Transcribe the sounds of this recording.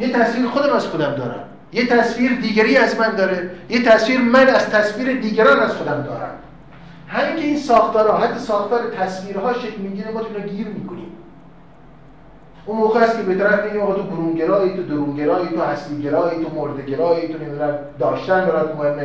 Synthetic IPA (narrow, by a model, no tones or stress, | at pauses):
jet̪ʰæsviːɾexod̪æmæz̥xod̪æmd̪ɒ̰ːɾæ̰m | jet̪ʰæsfiːɾed̪iːɡæɾiːæzmænd̪ɒːɾejet̪ʰæsviːɾmænæzt̪ʰæsviːɾed̪iːɡæɾɒːnæzxod̪æmd̪ɒ̰ːɾæ̰m | hæmiːkʲʰeiːnsɒːxt̪ɒːɾɒːɦæt̪ʰːɒsɒːxt̪ʰɒːɾet̪ʰæsviːɾɦɒːʃekʲlmiːɡiːɾemɒːt̪ʰoinɑɡiːɾmiːkʰonḭːm | unmoːɣeæst̪̚kʰʲebet̪ʰæɾæfbeɡimɒːɣɑːt̪ʰoboɾuːŋɡeɾɒːit̪ʰod̪oɾuːŋɡeɾɒːit̪ʰohæsliːɡʲeɾɒːjit̪omoɾd̪eɡʲeɾɒːjit̪ʰoned̪uɾæn | d̪ɒːʃt̪ænbæɾɒjt̪mohemːe